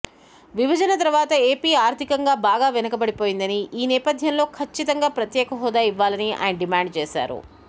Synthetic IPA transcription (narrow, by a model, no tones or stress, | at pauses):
ʋibʱɐd͡ʒɐnɐt̪ɐɾʋaːt̪ɐeːpiːaːɾt̪ikɐŋɡaːbaːɡaːʋɛnɐkɐbɐɽipoːjind̪ɐniʔiːnɛːpɐd̪ʱjɐnlo̞ːkʰɐt͡ʃːit̪ɐŋɡaːpɾɐt̪jɛːkɐɦɔːd̪aːiʋːaːlɐniʔa̰ːjɐnɐɖimaːɳɖt͡ʃɛːsa̰ːɾṵ